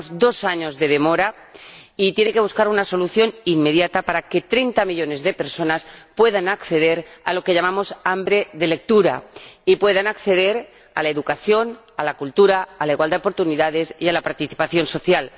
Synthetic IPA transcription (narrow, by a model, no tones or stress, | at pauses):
zd̪o̞saɲo̞zðe̞ð̞e̞mo̞ɾa | it̪jene̞ke̞βuskaɾunaso̞luθjo̞nimme̞ðjat̪apaɾake̞t̪ɾe̞jnt̪amiʎo̞ne̞zðe̞pe̞ɾso̞naspwe̞ðanakθe̞ðe̞ɾalo̞ke̞ʎamamo̞sambɾe̞ðele̞k̚t̪uɾa̰ipwe̞ðanakθe̞ðe̞ɾ | alaeðukaθjo̞n | alakult̪uɾaːlaiɣwald̪eo̞po̞ɾt̪uniðaðe̞sialapaɾt̪iθi̥paθjo̞nso̞θjal